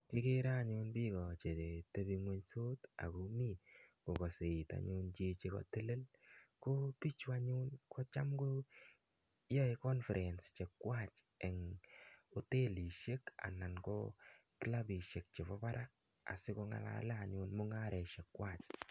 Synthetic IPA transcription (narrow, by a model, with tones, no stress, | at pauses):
ki˦ke˦ɾa˦˨ɲʊ˧nbi˦kɔ˨t͡ʃe˨te˨te˦bi˧ŋwe˦ɲso˦ta̰˨ko˨mi˦˨ko˨kɔ˨se˨i˨ta̰˨ɲʊ˧nt͡ʃe˦t͡ʃe˨kɔ̰˨te˦le˦lko˦pi˦t͡ʃwa˦ɲʊ˦nkɔ˦t͡ʃa˦mko˦ | jɔ˦ɪ˦kɔ˦nfɛ˨ɾʔɛ˨nst͡ʃe˨kwa˦˨t͡ʃ | ɛ˨ŋ | o˨te˦li˨ʃe˦ka̰˨na˨nkɔ̰˦ki˦la˦bi˨ʃe˨k̚t͡ʃe˨βɔ˦ba˦ɾa˦k̚ | a̰˨sɪ˦ko˧ŋa̰˨la̰˦lɛ˦a˨ɲʊ˧nmo˦ŋa˦ɾɛ˨ʃe˨kwa˦˨t͡ʃ